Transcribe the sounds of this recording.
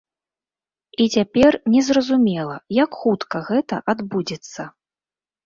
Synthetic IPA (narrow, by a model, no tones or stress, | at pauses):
it͡sʲapʲɛrnʲɛzrɐzumʲɛlˠɐjakxut̪kɐɣɛt̪ɐ̰ʔad̪bud͡zʲɛt̪sːɐ